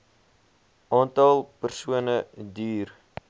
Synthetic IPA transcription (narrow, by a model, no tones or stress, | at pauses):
ʔɑːntɑlˠpərsuənədiːr